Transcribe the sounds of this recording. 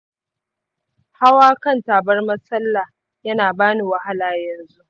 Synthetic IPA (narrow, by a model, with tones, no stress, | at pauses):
ha˦waː˦kɐ˦˨ntaː˨bɐ˦rmɐ˦sɐ˦lːa˨ | jɐ˦naː˨baː˦ni˨wɐ˨ha˦laː˨jɐ˨nzu˦ʔ